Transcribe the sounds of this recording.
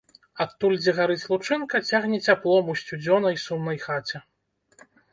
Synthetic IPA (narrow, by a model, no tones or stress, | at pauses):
at̪ːulʲd͡zʲɛɣaɾɨt͡sʲlˠut͡ʂɨnkɐt͡sʲaɣnʲɛt͡sʲaplˠɔmusʲt͡sʲud͡zʲɔnɐjsumnɐjxat͡sʲɛ